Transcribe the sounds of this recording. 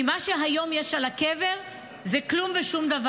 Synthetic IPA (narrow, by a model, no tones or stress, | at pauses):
imaʃeɦajomjeʃalakeve̞ʁ | zeklumveʃumd̪av